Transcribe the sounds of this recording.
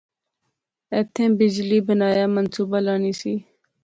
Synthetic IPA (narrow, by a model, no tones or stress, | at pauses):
eːt̪ʰẽːbɪd͡ʒliːbənaːjaːmənsuːbaːlaːniːsiː